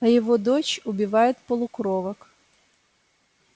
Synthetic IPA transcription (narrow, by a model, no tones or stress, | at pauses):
ɐjɔʋɔd̪ɔt͡ʃʊbʲiʋɑjʊt̪ʲpɔlˠʊkɾɔʋɐk